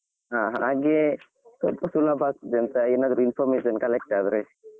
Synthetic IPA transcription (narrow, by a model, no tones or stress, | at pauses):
ɦaːɦaaːɡe | t̪ɔlpɐsulabʱaːɡ̚t̪d̪ɐnt̪ɐeːnaːd̪ɾuinpʰɔɾmeːsɐnkɐlek̚ʈaːd̪ɾe